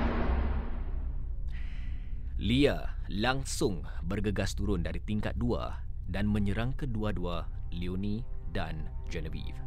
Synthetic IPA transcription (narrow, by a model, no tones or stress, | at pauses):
lialaŋsʊŋ | bərɡəɡast̪uɾʊndaɾit̪iŋka̰t̪̚dua̰ | danmə̃ɲəɾaŋkəduadualionĩdand͡ʒɛnəvḭf